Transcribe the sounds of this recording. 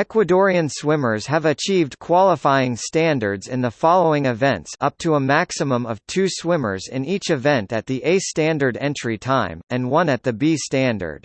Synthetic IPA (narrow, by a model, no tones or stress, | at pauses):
ɛkwədɔɹiɨ̃nswɪ̃mə˞z̥ɨvɨt͡ʃʰivdkʰw̥ɑlˠəfaɪɪ̃ŋstæ̃ndə˞dzɨ̃nðəfɑlˠoʊɪ̃ŋɨvɛ̃ntsʌp̚tʰəəmæksəmə̃mʌv̥tʰʉswɪ̃mə̰˞zɪ̃nit͡ʃɨvɛ̃ntɨt̪̚ðiʔeɪstæ̃ndə˞ɾɛ̃nt͡ʃɹ̥itʰãɪ̃mɨ̃nwʌ̃nɨt̪̚ðɨbistæ̃ndə̰˞d̥